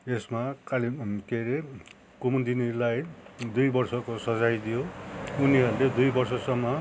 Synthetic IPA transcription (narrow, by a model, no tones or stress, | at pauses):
esmakalikeɾe | kumund̪inilajd̪ujbʌrsʌkosʌd͡zajd̪ijouniɦʌɾuled̪ujbʌrsʌsʌmːʌ